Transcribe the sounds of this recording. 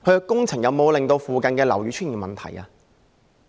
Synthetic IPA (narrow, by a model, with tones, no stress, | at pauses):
kʰɵ˧ɥkɛ˧kʊ˥ŋt͡sʰɪ˨˩ŋjɐ˨˧wmo˨˧wlɪ˨ŋt̪o˧wfuː˨kɐ˨nkɛː˧lɐ̰˨˩wɥyː˨˧˥t͡ʃʰyː˥nji˨˩nmɐ˨nt̪ʰɐ̰˨˩jɐ̰ː˧